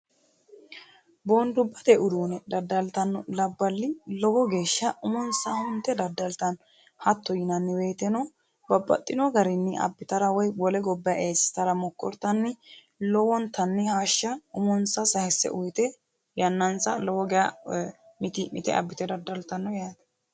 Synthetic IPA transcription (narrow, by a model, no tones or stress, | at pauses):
boːnd̪ʊbːɐt̪ɛʔʊd̪uːnɛd̪ɐd̪ːɐlt̪ɐnːɔlɐbːɐlːɪlɔwɔɡe̞ːʃːɐʊmɔnsɐhʊnt̪ːɛd̪ɐd̪ːɐlt̪ɐn | hɐt̪ʰːɔjɪnɐnːɪbe̞ːt̪ɛnɔ | bɐbːɐ̰t̪ʼːɪnɔɡɐɾɪnːɪʔɐ̰bːɪt̪ɐɾɐwɔjwɔlɛɡɔbːɐjaʔeːsɪ̥t̪ɐɾɐmɔkːɔ̰ɾt̪ɐnːɪ | lɔwɔnt̪ɐnːɪhaːʃːɐʊmɔnsɐsɐhɛsːɛ̰ʔʊjt̪ɛ | jɐnːɐnsɐlɔwɔɡɛja | mɪt̪ɪmɪ̰t̪ɛ̰ʔɐ̰bːɪt̪ɛd̪ɐd̪ːɐlt̪ɐnːɔjaːt̪ɐ̥